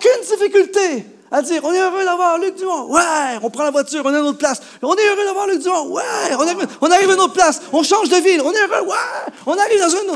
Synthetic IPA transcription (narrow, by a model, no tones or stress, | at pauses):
okʲynd̪ifikʲylt̪e | ad̪iːʁɔ̃nɛøʁød̪avwaʁlyk̚d̪ymɔ̃dwɛɔ̃pχɑ̃lavwat̪yːʁɔ̃nɛnot̪χplas | ɔ̃nɛøʁød̪avwaʁlyk̚d̪ymɔ̃wɛɔ̃naivɔ̃naʁivanot̪χplasɔ̃ʃɑ̃ʒd̪əvilɔ̃nɛøʁøwɛɔ̃naʁivd̪ɑ̃zɛ̃no